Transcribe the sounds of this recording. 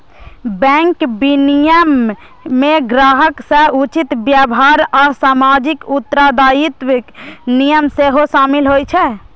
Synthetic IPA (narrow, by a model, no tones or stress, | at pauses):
bɛ̃ŋkbinijəmː | eɡɾaɦəksəut͡ʃit̪bjabɦaɾɔːsamad͡ʒikut̪ːɾad̪ajit̪wnijəmseɦosaːmilɦojt͡ʃʰɛ